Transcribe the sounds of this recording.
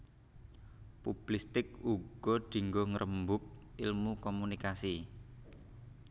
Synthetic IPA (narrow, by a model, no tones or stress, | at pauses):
pub̥list̪ɪk̚uɡ̥ɔ̤d̪̥i̤ŋɡɔŋəɾʔəmbʊp̚ilmukɔmunikasi